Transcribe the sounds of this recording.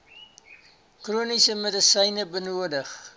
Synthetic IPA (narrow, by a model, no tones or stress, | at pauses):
kruːnisəmədəsəjnəbənuədəχ